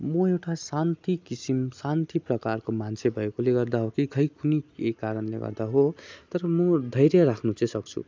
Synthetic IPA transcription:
mʌewʈasant̪ikisimsant̪iprʌkarkomant͡sʰebʱʌekoleɡʌrd̪aɦokikʰʌjkuniekaɾʌnleɡʌ̰rd̪aɦot̪ʌɾʌmʌd̪ʱʌjɾjaɾakʰnut͡sʌ̃sʌk̚t͡sʰṵ

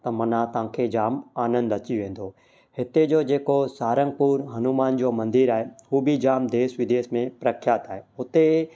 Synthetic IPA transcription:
t̪ɐmɐnat̪ãːkʰed͡ʒaːmaːnə̃nd̪ɐt͡ʃiʋẽːnd̪ʱoː | hɪt̪ed͡ʒoːd͡ʒeːkosaːɾə̃ŋɡ̚puːɾɦɐnumaːnd͡ʒoːmɐ̃nd̪ɪɾaːɦeubʱid͡ʒaːmd̪eːʃʋɪd̪eːʃmẽpɾəkʰjaːt̪aːɦeʊt̪e

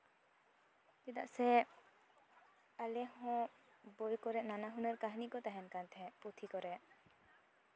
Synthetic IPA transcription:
t̪id̪aʔsɛ | alɛhɔ̃bojkɔɾɛʔnanaɦunɛɾkaɦnikɔt̪aɦɛnkant̪ʰɛput̪ʰikɔɾɛʔ

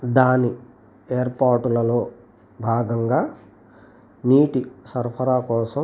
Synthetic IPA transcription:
d̪aːni | eːɐɾpaːɾʈulɐlo̞ː | bʱaːɡɐŋɡaː | niːʈisɐɾpʰɐɾaːkɔːsɐ

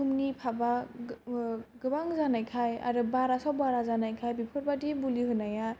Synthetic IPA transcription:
umnipʰaba | ɡɯbaŋzanajkʰaja̰ɾɯbaɾasabaɾazanajkʰajbipʰɯɾbadibuliɦɯnaja

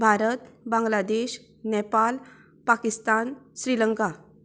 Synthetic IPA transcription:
bʱaɾət̪bãŋɡlad̪eɕ | nepal | pakist̪anɕɾiləŋka

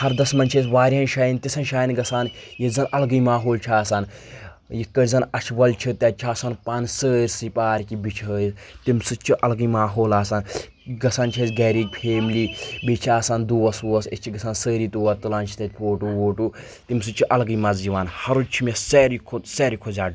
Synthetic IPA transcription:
hɐɾd̪ɐsmɐnt͡ʃʰesʋaːɾʲɐːnʃaːjint̪isɐnʃaːjinɡɐsaːnjizɐnʔɐlɡijmaːɦoːlt͡ʃʰaːsaːn | jikːəɾʲzɐnɐʃʰʋɐlt͡ʃʰit̪ʲɐt͡ʃʰaːsaːnpaːnsəːɾʲsipaːɾʲkibit͡ʃʰəːt̪imsɨt͡ʃʰiʔɐlɡijmaːɦoːlaːsaːn | ɡɐsaːnt͡ʃʰesɡɛːɾid͡ʒpʰeːmlibit͡ʃʰaːsaːnd̪uʋɐsuɐsist͡ʃʰiɡɐsaːnsəːɾiːt̪uːʋɐt̪ɨlaːnt͡ʃʰi̥t̪ɐt̪̚ʲpoːʈuwoːʈu | t̪imsɨt͡ʃʰiʔɐlɡɨjmɐzziʋaːnhɐɾut͡ʃʰimʲeseːɾikʰoseːɾikʰozʲaː

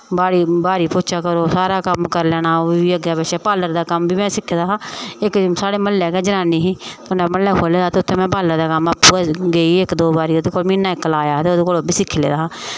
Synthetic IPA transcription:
baːɾiːbaːɾiːpoːt͡ʃʰaːkəɾoːsaːɾaːkəmkəɾlɛːnaːoiːəɡaːbɛʃɛːpaːləɾd̪aːkəmbiːmɛ̃ːsɪkʰːeːd̪aːɦãːɪksaːɽeːməlːɛːɡɛːd͡ʒənaːniːɦiːt̪ʊnɛ̃ːməlːɛːkʰoːleːd̪aːt̪eːʊt̪ʰːẽːmɛ̃ːpaːləɾd̪aːkəmaːpːuːɛɡeiːɪkd̪oːbaːɾiːod̪eːkoːlmiːnaːɪkːlaːjaːt̪eːoːd̪eːkoːloːbiːsɪkʰːeːlḛːd̪aːɦː

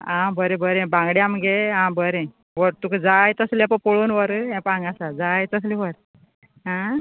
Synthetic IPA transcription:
ãbəɾẽbəɾẽbãŋɡɽjamɡeɦãbəɾẽ | ʋəɾt̪ukʰd͡zajt̪əslɛ̃pəpoɭuːnʋəɾɦẽpãŋɡasad͡zajt̪əs̬lĩʋəɾ | ɦã

